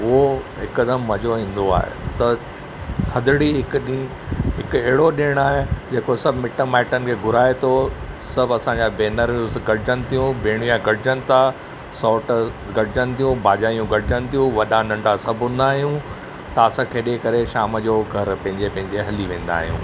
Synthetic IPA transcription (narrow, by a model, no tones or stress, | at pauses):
ʊɦoɦɪkəd̪əmːɐd͡ʑoɦĩːn̆d̪oa̰ːɦḛt̪ɐ | t̪ʰɐd̪ɪɽiɦɪkɗi | ɦɪkɛɦɪɽoɗiəɽ̃aːɦed͡ʑeːkosɐbʱmɪʈəmaːɪʈənɪ̆kʰeːɡʱʊɾaːet̪ʰo | sɐbʱɐsãːɲd͡ʑabeːnəɾũsɡɐɽɪd͡ʑənɪ̆t̪ʰijũbẽːɽ̃ijãɡɐɽɪd͡ʑənɪ̆t̪a | sɔːʈ | ɡɐɽɪd͡ʑənɪ̆t̪ʰijũbʱaːd͡ʑaːijũɡɐɽɪd͡ʑənɪ̆t̪ʰijũʋɐɗãnɐ̃ɳɖasɐbʱɦʊ̃nd̪aːɦijũ | t̪aːsãkʰeːɗekɐɾeʃaːməd͡ʑoːɡʱɐɾpɐ̃ɦɪ̃ɲd͡ʑepɐ̃ɦɪ̃ɲd͡ʑeɦɐliʋẽːnd̪a̰ːɦijṵ̃ː